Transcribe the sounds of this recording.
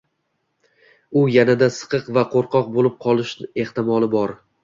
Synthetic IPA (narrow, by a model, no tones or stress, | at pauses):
ʊjanad̪asɨ̥qɨqvaqʰoɾqʰɒq̚bolˠɪp̚qʰɒlˠɪʃnɪe̞ht̪ɪmɒlˠɪbɒɾ